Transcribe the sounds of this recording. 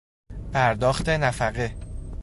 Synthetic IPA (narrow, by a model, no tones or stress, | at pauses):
pʰæɾd̪ɒːxt̪ʰe̞næfæɣe